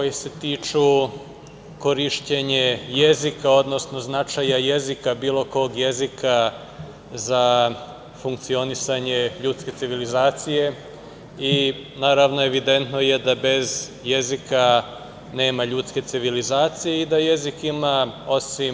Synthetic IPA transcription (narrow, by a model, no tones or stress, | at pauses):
kojese̞t̪iːt͡ʃu | ko̞ɾiʃceɲe̞je̞zikao̞d̪no̞sno̞znat͡ʃajaje̞zikabiːlˠo̞ko̞ɡje̞zika | za | fuŋkt̪sio̞nisaɲe̞ʎuːt̪ske̞t̪siʋilizaːt̪sije̞ | inaːɾaʋno̞e̞ʋid̪e̞nt̪no̞je̞d̪abe̞z | je̞zika | ne̞ːmaʎuːt̪ske̞t̪siʋilizaːt̪sijeid̪aje̞zikimao̞sʋim